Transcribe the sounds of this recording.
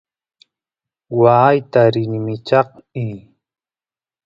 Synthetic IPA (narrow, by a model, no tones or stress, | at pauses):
waːjt̪aɾɪnmɪt͡ʃɑqmi